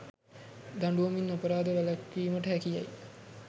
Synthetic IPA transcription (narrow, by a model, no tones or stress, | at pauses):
d̪aɳɖuʋominːapəɾaːd̪əʋælakːiːməʈəɦækija̰j